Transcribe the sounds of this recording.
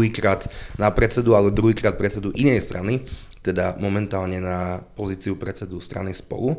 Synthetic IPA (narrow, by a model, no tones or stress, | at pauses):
ɦiːkɾaːt̪napɾɛt͡sɛd̪ualɛɔd̪ɾuɦiːkɾaːt̪̚pɾɛt͡sɛd̪uʔinɛjst̪ɾʔani | t̪ɛd̪amɔmɛnt̪aːlɲɛnapɔziːt͡siupɾɛt͡sɛd̪ust̪ɾa̰nispɔ̰lu